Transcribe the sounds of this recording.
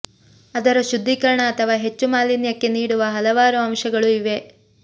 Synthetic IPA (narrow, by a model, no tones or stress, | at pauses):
ɐd̪ɐɾɐʃud̪ʱːikɐɾɐɳɐːt̪ʰɐʋaːɦe̞t͡ʃːumaːlinjɐkːe̞niːɽuʋɐɦɐlɐʋaːɾuɐmʃɐɡɐɭuiʋe̞